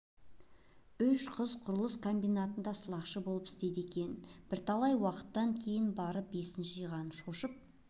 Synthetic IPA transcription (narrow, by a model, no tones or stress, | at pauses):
ʏʃqʰəzqʰʊɾəlˠəskʰo̞mbijnat̪ənd̪ɑsəlˠɑqʃəbo̞lˠəpɪ̥st̪e̞d̪e̞kʲe̞nb̥ɪɾt̪ʰɑlˠɑjwɑqə̥t̪ːɑŋkʲʰe̞jɪnbɑɾəp̚be̞sɪnʃɪʒijʁɑnəʃo̞ʃəp̚